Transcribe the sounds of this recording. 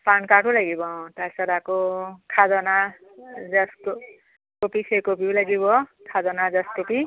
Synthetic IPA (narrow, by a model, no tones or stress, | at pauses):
pankaʈulaɡibʌʈasʌɾakokʰad͡zɔna | d͡zʌsko | kopisʰekopiwlaɡibɔkʰad͡zɔnad͡zʌskopi